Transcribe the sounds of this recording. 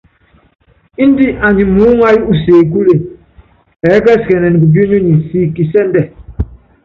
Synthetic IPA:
i˦n˦di˦ʔa˨ɲi˨mu˦ŋa˦ji˦u˦˨seː˨k̬u˦le˨ | ɛ˨˦kɛ˦skɛ˨nɛ˨ni˨ɡu˨bji˦nu˦ni˨si˦ki˨sɛ˦n˦dɛ˨

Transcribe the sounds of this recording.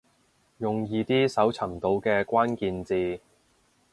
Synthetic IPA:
jʊ˨ŋjiː˧t̪iː˥sɐ˨˥wt͡sʰɐ˨˩mt̪o˨˧wkɛː˧kʷaː˥nkiː˨˧nt͡siː˧

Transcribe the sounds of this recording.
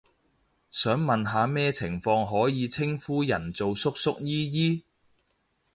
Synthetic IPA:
sœː˨˥ŋmɐ˨nɦaː˨˧mɛː˥t͡sʰɪ˨˩ŋfɔː˧ŋɦɔː˨˥jiː˨˧t͡sʰɪ˥ŋfuː˥jɐ˨˩nt͡so˨wsʊ˥k̚sʊ˥k̚jiː˥jiː˥

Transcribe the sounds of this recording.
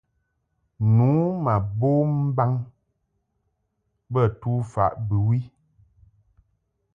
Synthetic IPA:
nu˨˦ma˨bo˦m̩˦ba˦ŋ | bə˦˨tu˦fa̰˨ʔbɨ˨wi˦

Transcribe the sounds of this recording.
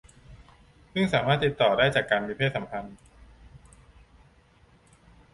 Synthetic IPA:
sɯ˥˩ŋsaː˩˦maː˥˩t̪ːi˨˩t̪ːɔː˨˩daː˥˩jt͡ɕaː˨˩kːaː˧nmiː˧pʰeː˥˩t̪sa˩˦mpʰa˧n

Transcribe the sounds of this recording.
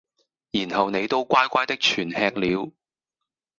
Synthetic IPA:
jiː˨˩nhɐ˨wne˨˧jt̪o˥wkʷaː˥jkʷaː˥jt̪ɪ˥k̚t͡ʃʰyː˨˩nhɛː˧k̚liː˨˥w

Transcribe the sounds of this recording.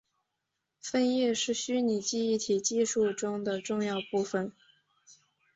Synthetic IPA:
fə˥˧njɛ˥˧ʂɻ̩˥˩ɕy˥ni˨˩t͡ɕi˥˧i˥˩t̪ʰi˨˩t͡ɕi˥˧ʂu˥˩ʈ͡ʂʊ˥ŋd̪ə˨ʈ͡ʂʊ˥˧ŋjɑ˥˧ʊpu˥˩fə˩n

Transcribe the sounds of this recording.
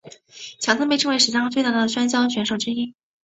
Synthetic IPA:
t͡ɕʰjɑ˧˥ŋt̪ʰɤ˥ŋpe˥˧ɪʈ͡ʂɤ˥˩ŋwe˥ɪʂ̩˧˩t͡ɕɑ˥ŋt͡swɪa˥˩˥d̪ə˩ɕɥɛ˥nt͡ɕjɑ˥ʊɕɥɛ˧˥nʂo˨˩ʊʈ͡ʂɻ̩˥i˥

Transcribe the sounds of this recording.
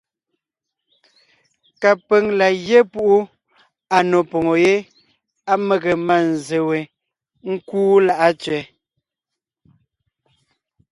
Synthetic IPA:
ka˨pe˨ŋla˨je˦pu˦ʔu˦ | a˨no˨pɔ˨ŋo˨je˦ | a˦me˦˨ɣe˨ma˨n˨ze˨we˨ | ŋ̩˦kuː˦la˦ʔa˦t͡ʃɥɛ˨˦

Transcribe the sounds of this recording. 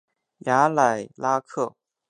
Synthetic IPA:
ja˧˥la˨˩ɪla˥kʰɤ˥˩

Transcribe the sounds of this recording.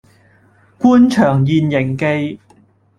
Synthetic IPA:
kuː˥nt͡ʃʰœː˨˩ŋjiː˨njɪ˨˩ŋke˧j

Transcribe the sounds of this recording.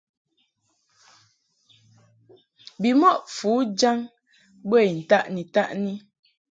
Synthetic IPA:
bi˨mɔ˦˨ʔfu˨˦d͡ʒa˦ŋ | be˦˨n̩˨ta˦ʔni˨ta˦ʔni˦

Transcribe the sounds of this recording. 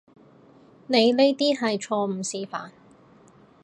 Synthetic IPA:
ne˨˧jle˥jt̪iː˥ɦɐ˨jt͡ʃʰɔː˧m̩˨˩siː˨fa̰ː˨n

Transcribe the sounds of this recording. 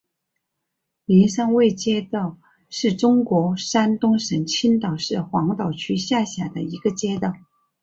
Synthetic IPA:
mi˧˥nʂa˥ŋwe˥˩ɪt͡ɕjɛ˥t̪ɑ˥˧ʊ | ʂɻ̩˥˩ʈ͡ʂʊ˥ŋkwɔ˧˥ʂa˥nt̪ʊ˥ŋʂə˧˥ŋt͡ɕʰi˥nt̪ɑ˨˩ʊʂɻ̩˥˩xwɑ˧˥ŋt̪ɑ˨˩ʊt͡ɕʰy˥ɕja˥˩ɕja˨˩d̪ə̰˦i˧˥ɡə˧t͡ɕjɛ˥t̪ɑ˥˩ʊ

